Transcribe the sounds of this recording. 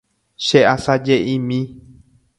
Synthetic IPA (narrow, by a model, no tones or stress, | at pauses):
ʃeʔasad͡ʒeʔĩmĩ